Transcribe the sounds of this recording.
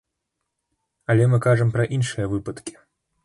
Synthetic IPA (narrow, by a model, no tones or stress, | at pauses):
ɐlʲɛmɨkaʐɐmpɾɐʔinʂɨjɐvɨpɐt̪kʲi̥